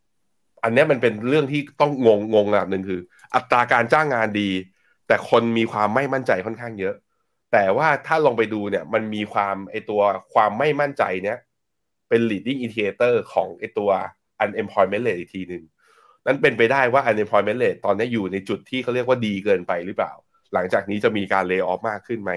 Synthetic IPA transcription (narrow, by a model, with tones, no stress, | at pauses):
ʔa˧nːi˦˥ɐma˧npe˧nɾɯ˥˩əŋt̪ʰiː˥˩t̪ɔ˥˩ŋːo˧ŋːo˧ŋʔaː˨˩nɯ˨˩ŋkʰɯː˧ | ʔa˨˩t̪ːɾaː˧kaː˧nt͡ɕaː˥˩ŋːaː˧ndiː˧ | t̪ɛː˨˩kʰo˧nmiː˧kʰwaː˧mːa˥˩jma˥˩nt͡ɕa˧jkʰɔ˥˩nkʰaː˥˩ŋjɤ˦˥ʔ | t̪ɛː˨˩waː˥˩t̪ʰaː˥˩lɔː˧ŋpa˧jduː˧ni˥˩ɐma˧nmiː˧kʰwaː˧mʔa˧jt̪u˧ɐkʰwaː˧mːa˥˩jma˥˩nt͡ɕa̰˧jni˦˥ɐ | pe˧nliː˨˩t̪̚i˥˩ŋʔi˧nt̪ʰi˧eː˧t̪ɤː˥˩kʰɔː˩˦ŋʔa˧˩jt̪u˧ɐ | ʔa˧nʔe˧mpʰɔː˧jme˦˥nle˨˩t̪̚i˨˩t̪ʰiː˧nɯ˨˩ŋ | na˦˥˩npe˧npa˧jdaː˥˩jwaː˥˩ʔa˧nʔe˧mpʰɔː˧jme˦˥nle˨˩t̪ːɔː˧nːi˦˥ɐ˩juː˨˩na˧jt͡ɕu˨˩t̪ʰːiː˥˩a˥˩wɾi˥˩ək̚waː˥˩diː˧kɤː˧npa˧jɾɯ˦˥pla̰ː˨˩w | la˩˦ŋt͡ɕaː˨˩k̚niː˦˥t͡ɕa˨˩miː˧kaː˧nleː˧ʔɔː˦˥p̚maː˥˩kʰːɯ˥˩nma˦˥j